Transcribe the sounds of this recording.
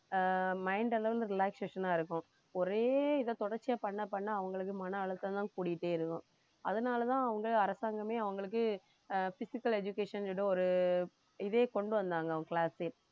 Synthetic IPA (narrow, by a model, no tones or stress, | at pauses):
mɐɪɳɖɐlɐɾɐnd̪ɯɾɪlaːkseːʂɐnaːɪɾɯkːʊ̃ | ɔɾeːɪðɐt̪ɔɽɐɾt͡ʃːɪjaːpɐɳːɐpːɐɳːaːɐʋɐŋɡɐɭɯkːɯmɐnɐɐɭɐt̪ːt̪ãːkuːɽɪjɪʈːeːɪɾɯkːʊ̃ | ɐ̰ðɐnaːlɐt̪ãːɐʋɐŋɡɐɭɐɾɐsaːŋɡɐmeːɐʋɐŋɡɐɭɯk̬ːɯ | fɪsɪkːɐlɛd͡ʒʊkeːʂɐnɖɯɔɾɯ | ɪðeːkɔɳɖɯʋɐnd̪aːŋɡɐɐɐkɪɭaːse